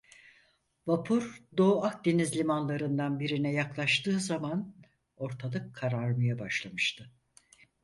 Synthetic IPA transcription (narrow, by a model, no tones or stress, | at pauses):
vapʰuɾd̪o̞ːak̚d̪enizlʲimanlˠaɾɯnd̪anbiɾinɛjaklˠaʃt̪ʰɯːzaman | o̞ɾt̪ʰalˠɯkʰːaɾaɾɯmɯjabaʃlˠamɯʃt̪ʰɯ